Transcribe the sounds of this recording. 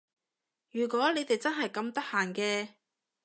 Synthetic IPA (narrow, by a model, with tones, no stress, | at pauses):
jyː˨˩kʷɔː˨˥le˨˧jt̪e˨jt͡sɐ˥nɦɐ˨˩jkɐ˧mt̪ɐ˥k̚haː˨˩nkɛː˧